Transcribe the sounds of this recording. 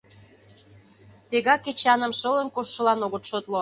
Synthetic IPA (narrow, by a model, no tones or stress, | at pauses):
t̪eɣɑkːet͡ɕɑnə̆mʃə̆lə̆nkoʃːɤ̆lɑnoɣət̪ʃot̪lo